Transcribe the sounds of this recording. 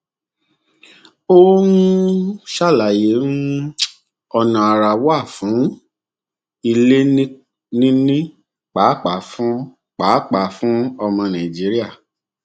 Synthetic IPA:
o˦wũ˦ʃa˦˨la˨je˨˦nũ˦ | ɔ˧nã˨a˨ɾa˨wa˦˨fũ˨˦ | i˧le˦ | nĩ˦nĩ˦ | k͡pa˨˦k͡pa˨˦˨fũ˦ | k͡paː˨˦k͡pa˨˦fũ˦ɔ˧mɔ̃˧nã˨d͡ʒi˨˦ɾi˦a˦˨

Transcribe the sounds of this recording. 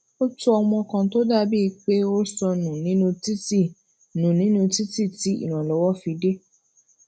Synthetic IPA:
o˦tu˦ɔ˧mɔ̃˧kã˧to˦da˦bi˦˧k͡pe˦o˦sɔ˧nũ˨nĩ˨˦nũ˧ti˦ti˦˨ | nũ˨nĩ˨˦nũ˧˦ti˦ti˦˨ti˨˦ḭ˦˨ɾ̃ã˨lɔ˨˦wɔ˦fi˧de˦

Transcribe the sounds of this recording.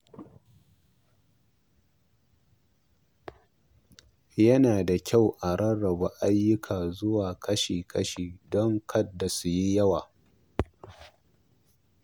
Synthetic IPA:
jɐ˦naː˨da˨kʲa˦˨wʔa˨ɽɐ˦ɽɐ˨ba˨ʔa˦jːʊ˦kʰaː˨zʊ˦waː˨kʰɐ˦ʃiː˨kʰɐ˦ʃiː˨dɔ˦ŋkʰɐ˦dːa˨su˨ji˦jɐ˦waː˨

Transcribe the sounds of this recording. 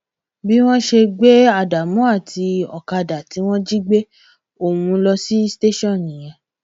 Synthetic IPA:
bi˦w̃ɔ̃˦ʃe˧ɡ͡be˦a˦˨da˨mɔ̃˦a˦˨tʰi˧ɔ˨ka˧da˨ti˨˦w̃ɔ̃˦d͡ʒi˦ɡ͡be˦ | o˦˨wũ˧lɔ˧si˦ste˦ʃɔ̃˦˨nĩ˨j̃ɛ̃˨˧

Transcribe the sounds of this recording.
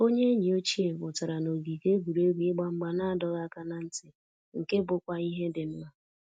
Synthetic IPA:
o˦ɲe˦ɲi˨o˦t͡ʃi˦e˨bʊ˨ta˨ɾa˨no˨ɡi˨ke˦ɡu˨ɾe˦ɡʷi˨˦ɪ˦ɡ͡ba˦ŋ͡m̩˦ɡ͡ba˨na˦a˦˨dɔ˦ɣa˦ka˦na˨n̩˦tɪ˨ | ŋ̩˨ke˦bʊ˦kʷa˦i˦ɦe˦dɪ˨n̩˦na˨

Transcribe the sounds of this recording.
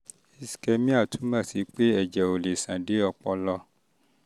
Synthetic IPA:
i˧si̥˨kɛ˧mĩ˦a˦˨tũ˨˦mã˦˨ti˨˦k͡pe˦ɛ˦˨d͡ʒɛ˨o˨le˨sã˨de˨˦ɔ˧k͡pɔ˧lɔ˧

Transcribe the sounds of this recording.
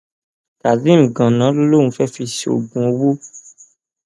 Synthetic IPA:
ta˨dĩ˨˦˨ɡã˨nã˨˦lo˦lo˦˨ũ˧˦fɛ˦fi˧si˦o̰˨ɡ͡bũ˨o˧wo˦

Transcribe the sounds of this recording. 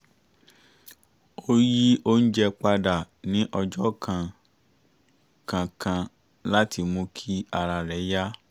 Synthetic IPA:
o˦ji˦o˦n̩˦d͡ʒɛ˧k͡pa˧da˨ | nĩ˨˦ʔɔ˧d͡ʒɔ˦kʰã˧ | kã˧kʰã˧ | la˦ti˧mũ˧˦kʰi˦a˧ɾa˧ɾɛ˨˦ja˦

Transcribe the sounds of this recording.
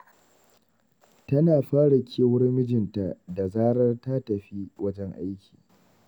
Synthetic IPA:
tɐ˦naː˨ɸaː˦ɽɐ˨kʲʰeː˦wʊ˦rmɪ˦d͡ʒɪ˨nta˨da˨zaː˦ɽɐ˦rta˦tɐ˨ɸi˦wɐ˦d͡ʒɛ˦ŋʔa̰˦jkʲʰiː˨

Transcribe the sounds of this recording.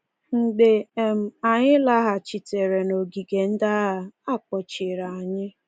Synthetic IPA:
ŋ̩˨ɡ͡be˨e˨m̩˨a˨ɲɪ˦la˦ɦa˨t͡ʃi˨te˨ɾe˨no˨ɡi˨ɡe˨n̩˦da˦ɦa˨a˦˨k͡pɔ˨t͡ʃi˨ɾa˨a˨ɲɪ˦

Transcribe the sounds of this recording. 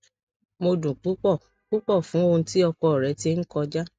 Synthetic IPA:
mo˧dũ˨k͡pu˨˦k͡pɔ˦˨ | k͡pu˦k͡pɔ˦˨fũ˨˦õ˧ti˦ɔ˧kɔ˨ɾɛ˨˦te˧˦ŋ̩˦kɔ˧d͡ʒa˦

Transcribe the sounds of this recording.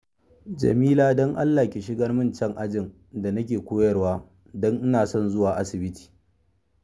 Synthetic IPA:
d͡ʒɐ̰˨miː˦laː˦dɔ˦ŋʔa˦lːaː˨kʲe˨ʃ̬ɪ˦ɡɐ˦rmɪ˦nt͡ʃɛ˦ŋʔa˦d͡ʒɪ˨n | da˨nɐ˦k̬ʲeː˨kʷoː˦jɐ˦rwaː˦ | dɔ˦ŋʔɪ˦naː˨sɔ˦nzʊ˦waː˨ʔa˦sɪ˨bɪ˦tʰi̥ː˨

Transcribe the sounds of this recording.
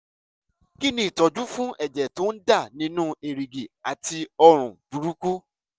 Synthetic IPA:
ki˦nĩ˦i˨tɔ˨d͡ʒu˦fũ˦ʔɛ˨d͡ʒɛ˨tõ˨˦n̩˦da˦˨nĩ˧˦nũ˦e˨ɾi˨ɡe˨a˨ti˧ɔ˧ɾ̃ũ˨b̥u˨ɾu˦ku˦

